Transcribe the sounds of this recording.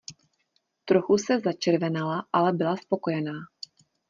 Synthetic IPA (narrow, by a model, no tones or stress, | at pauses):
t̪ɾo̞xusɛzat͡ʃɛɾvɛnalaʔalɛbɪlaspo̞ko̞jɛnaː